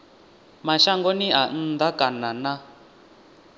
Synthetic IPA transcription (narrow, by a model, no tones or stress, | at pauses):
maʃaŋɡonian̩d̪akanana